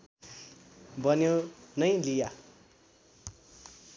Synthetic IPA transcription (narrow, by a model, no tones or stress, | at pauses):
bʌnjonʌj̃lija